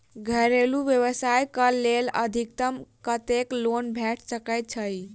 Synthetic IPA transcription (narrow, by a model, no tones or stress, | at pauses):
ɡʱəɾeluʋjəwəsajkəleləd̪ʱik̚t̪əmkət̪eklonbʱɛʈʰsəkəjt̪̚t͡ʃʰəj